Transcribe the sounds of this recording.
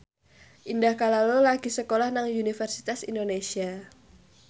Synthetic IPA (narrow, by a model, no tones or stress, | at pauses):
ʔindahkalalolaɡ̥isəkolahnaŋunifərsi̥t̪asḭndonesia